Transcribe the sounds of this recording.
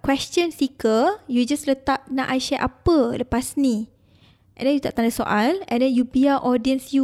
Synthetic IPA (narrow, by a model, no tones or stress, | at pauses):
kwɛst͡ʃə̃nsikəjud͡ʒaslət̪ap̚nãʔajʃɛʔapələpasnĩ | ʔɛ̃ndɛ̃njut̪aʔt̪ãndaso̰ʔalɛ̰̃ndɛ̃njubiaʔɔdiə̃nsju